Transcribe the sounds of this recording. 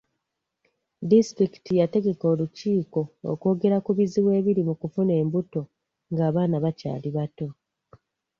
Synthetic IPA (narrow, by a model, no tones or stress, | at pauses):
distɾiki̥tijate̞ɡe̞ko̞ːluciːko̞o̰ko̞ːɡe̞ɾakuβiziβwe̞ːβiɾimukufune̞ːmbuto̞ | ŋɡaːβaːnaβaca̰ːliβato̞